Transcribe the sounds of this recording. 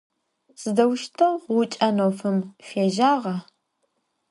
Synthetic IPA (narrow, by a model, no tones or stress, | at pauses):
z̥ɨdɐwʃtʰɐwʁʷʊt͡ʃʼɐnowfɨmfeːʒaːʁɐ